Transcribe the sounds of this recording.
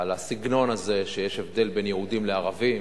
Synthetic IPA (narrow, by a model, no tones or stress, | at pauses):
alasiɡno̞naze̞ʃejeʃevd̪e̞lbe̞njehud̪imleaʁavim